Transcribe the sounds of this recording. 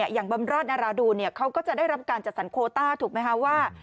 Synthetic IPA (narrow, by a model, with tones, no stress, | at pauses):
ɐjaː˨˩ŋba˧mɾɔː˥˩t̪̚naː˧ɾaː˧duː˧ni˥˩ɐkʰa˦˥wkɔː˥˩t͡ɕa˨˩daː˥˩jɾa˦˥p̚kaː˧nt͡ɕa˨˩t̪̚sa˩˦nkʰoː˧t̪aː˥˩t̪ʰuː˨˩k̚ma˦˥jkʰa˦˥waː˥˩